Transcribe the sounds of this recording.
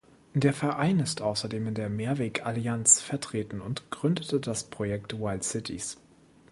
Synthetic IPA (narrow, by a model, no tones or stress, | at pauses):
d̥eːɐfɛɐʔaɪnɪstʔaʊsɐdeːmɪndeːɐmeːɐveːkʰaliant͡sfɛɐtʁ̥eːtn̩ʊntɡ̥ʁʏndətəd̥aspʁ̥ojɛk̚twaɪltsɪtʰḭs